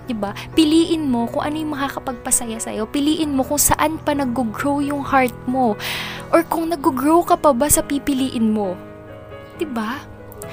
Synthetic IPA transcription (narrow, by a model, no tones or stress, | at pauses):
d̪ɪbapɪliːʔɪnmo̞kʊŋʔɐnojʊŋmɐŋakɐpɐɡ̚pɐsɐjasɐ̰jo̞pɪliːʔɪnmo̞kʊŋsɐʔanpɐnɐɡːoɡɹowjʊŋhaɹt̪̚mo̞ʔoɹkʊŋnɐɡoɡɹowkɐpɐbasɐpipɪliːʔɪnmo̞ | d̪̥ɪba